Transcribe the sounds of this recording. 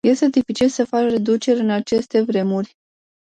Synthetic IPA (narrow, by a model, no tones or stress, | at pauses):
jest̪e̞d̪ifit͡ʃilsəfakəre̞d̪ut͡ʃe̞ɾɨnat͡ʃe̞st̪e̞vɾe̞murʲ